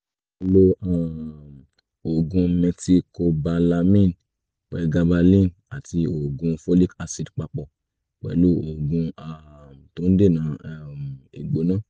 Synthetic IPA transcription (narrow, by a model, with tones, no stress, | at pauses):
k͡pɛ˨lo˧a˦˨m | o˨ɡũ˧mɛ˧ksi˧ko˧ba˧la˧mĩ˦˨n | k͡pɛ˨˧ɡa˧ba˧lĩ˦˨n | a˨ti˧o˨ɡũ˧fo˦li˦ka˧si˧dk͡pa˧k͡pɔ˨ | k͡pɛ̰˨lo˦o˨ɡũ˧a˧m˨to˨˦n̩˦de˦˨nãː˨˦˧m˨e˨ɡ͡bo˨˦nãː˦˨